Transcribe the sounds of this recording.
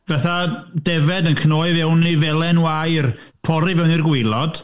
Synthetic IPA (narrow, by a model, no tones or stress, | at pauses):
vaθadɛvɛdənkʰnoːɨvɛwnivɛlˠɛnwajrpʰɔɾivɛwnirɡwɪlˠɔd̥